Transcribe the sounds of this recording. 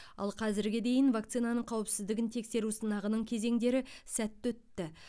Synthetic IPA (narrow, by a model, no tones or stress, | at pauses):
ɑ̰lˠqʰɑzɪɾɡʲɪd̪e̞jɪnvakt̪sɨjnanəɴqʰɑwəpsɪzd̪ɪɡʲɪnt̪ʰe̞kse̞ɾusənɑʁənəɴkʲʰe̞ze̞ŋd̪e̞ɾɪsæt̪ːɵt̪ːɪ